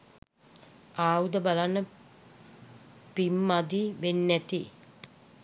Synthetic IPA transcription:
aːud̪əbalanːə | pimːad̪iʋenːæt̪i

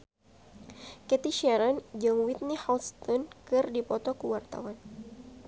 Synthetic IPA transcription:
kɛt̪iʃɛɾɔnd͡ʒɨŋwit̪̚nihast̪ɔnkɨrdipɔt̪ɔkəwart̪a̰wan

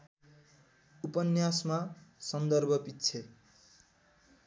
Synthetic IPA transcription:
upʌnjasmasʌnd̪ʌrbʱʌpitːt͡sʰe

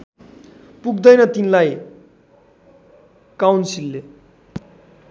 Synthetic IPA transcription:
puɡd̪ʌjnʌt̪inlaj | kawnsilːe

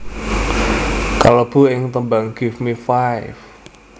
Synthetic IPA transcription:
kaləb̥ṳɪŋt̪əmbaŋɡ̥ifmifajf

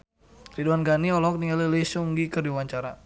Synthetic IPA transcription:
riduanɡaniɔlɔk̚niŋalilisuŋɡikərdiwaɲt͡ʃaɾa

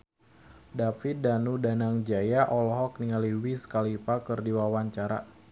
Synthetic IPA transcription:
dafit̪̚danudanaŋd͡ʒajaʔɔlɔɦɔk̚niŋaliwisə̥kalipakərdiwawaɲt͡ʃaɾa̰

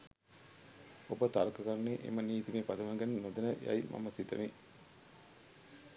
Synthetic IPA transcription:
obət̪alkəkaɾneʔḛməniːt̪imeːpad̪əmaŋɡənnod̪ənəja̰jma̰məsit̪əʋi

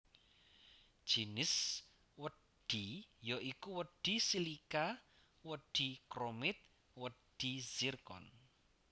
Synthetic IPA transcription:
d̥ʒ̥inɪs | wə | ɖ̥ijoikuwəɖ̥i̤silika | wəɖ̥i̤kɾomɪt̪̚ | wəɖ̥iz̥irkɔ̰n

